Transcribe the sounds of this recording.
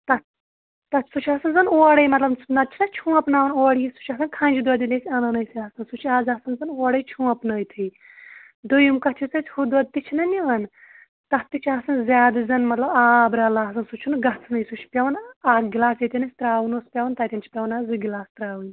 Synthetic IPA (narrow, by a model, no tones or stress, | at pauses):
t̪ɐ | t̪ɐtsut͡ʃʰaːsɐnzɐnoːɽɐjmɐt̪lɐbnɐt͡ʃʰinɐt͡ʃʰũːɐpnaːʋɐnoːɽjisu̥t͡ʃʰaːsɐnkʰãːnʲd͡ʒid̪uɐd̪ilʲesʲiɐnɐnɐjsiaːsɐnsut͡ʃʰiaːzaːsɐnzɐnoːɽɐjt͡ʃʰũːɐpnɐːjt̪ʰij | d̪ojumkɐt͡ʃʰit̪ɨt͡sʲʰhud̪ʋɐd̪̚t̪it͡ʃʰinɐniʋɐn | t̪ɐht̪it͡ʃʰaːsɐnzʲaːd̪ɨzɐnmɐt̪lɐbaːbɾɐːlaːsɐnsut͡ʃʰunɡɐt͡sʰnɐjsut͡ʃʰi̥pʲɐʋɐnaːɡʲilaːsjet̪ʲinɐsʲt̪ɾaːʋɨnoːspʲɐʋɐnt̪at̪ʲɐnt͡ʃʰi̥pʲɐʋɐnaːzɨɡʲilaːst̪ɾaːʋun